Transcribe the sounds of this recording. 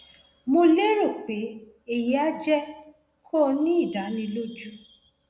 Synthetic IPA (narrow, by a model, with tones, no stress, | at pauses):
mo˧le˦ɾo˦˨k͡pe˨˦ | e˨ji˨˦a˦d͡ʒɛ˦ | kʰɔ˦˨nĩ˦i˦˨da˨˦nĩ˧lo˦d͡ʒu˦